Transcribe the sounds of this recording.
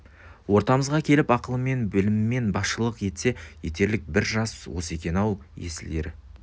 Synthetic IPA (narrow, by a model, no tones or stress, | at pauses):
wo̞ɾt̪ɑməzʁɑkʲʰe̞lɪpɑqəlˠəme̞nbɪlɪmːe̞nbɑsʃəlˠəqje̞t̪se̞je̞t̪e̞ɾlɪk̚bɪɾʒɑswo̞se̞kʲe̞nɑwjḛsɪld̪e̞̰ɾɪ